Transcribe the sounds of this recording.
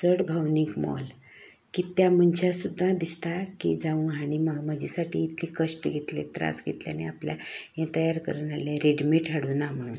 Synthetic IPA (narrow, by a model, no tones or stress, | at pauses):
t͡səɽbʱawnikmɔ̰l | kit̪jam̤ənt͡ɕasud̪ʱːad̪ist̪akḭd͡zaʋũaɽ̃iməməd͡ʑisaʈḭːt̪likəʂʈɡʱet̪lḛt̪ɾa̰sɡʱḛt̪lja̰neapljajẽt̪əjaɾkə̰ɾuːnalẽɾeɖmiʈʰɦaɽuːnam̤əɽ̃uːn